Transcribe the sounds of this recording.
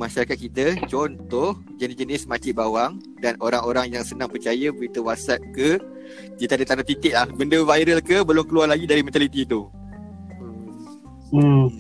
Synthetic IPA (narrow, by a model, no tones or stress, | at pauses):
mãʃaɾakat̪̚kit̪ət͡ʃɔnt̪ɔh | d͡ʒənid͡ʒənɪsmãt͡ʃɪʔbawaŋ | danoɾaŋoɾaŋjaŋsənãŋpərt͡ʃajəbəɾit̪əwasat̪̚kə | d̪it̪adət̪anat̪it̪ɪʔ̚lahbəndəvajɾəlkəbəlʊmkəluarlaɡidaɾimɛ̃nt̪alit̪it̪u | ə